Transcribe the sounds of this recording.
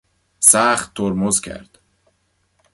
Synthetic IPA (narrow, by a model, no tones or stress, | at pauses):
sæχt̪ʰːoɾmozcʰæ̰ɾd̪̥